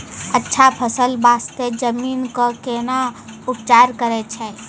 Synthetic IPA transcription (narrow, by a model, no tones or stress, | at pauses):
ətːʃʰapʰəsəlbaːst̪ed͡ʒəmiːnkokeːnaʊpt͡ʃaːɾkəɾet͡ʃʰɛː